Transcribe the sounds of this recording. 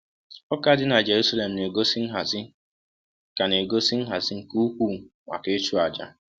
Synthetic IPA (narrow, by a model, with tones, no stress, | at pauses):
ɔ˦ka˦dɪ˦na˨d͡ʒe˨ɾu˦sa˦le˨m̩˨ne˨ɡo˦sɪ˦n̩˦ɦa˨zɪ˦ | ka˨ne˨ɡo˦si˦n̩˦ɦa˨zɪ˦ŋ̩˨ku˦u˦kʷu˦˨ | ŋʷa̰˨ke˦t͡ʃu˦a˨d͡ʒa̰˦